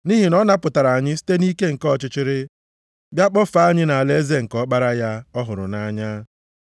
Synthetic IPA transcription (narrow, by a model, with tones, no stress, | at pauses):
ni˦ɦi˨nɔ˦na˦pʊ˨ta˨ɾa˨a˨ɲɪ˦si̥˦te˦ni˦ke˦ŋ̩˨kɔ˦˨t͡ʃɪ˦t͡ʃɪ˦ɾɪ˦ | bja˦k͡pɔ˦fa˦˨a˦ɲɪ˦na˨le˦ze˦ŋ̩˨kɔ˦k͡pa˦ɾa˦ja˦ɔ˦ɦʊ˨ɾʊ̰˨na˦ɲa˦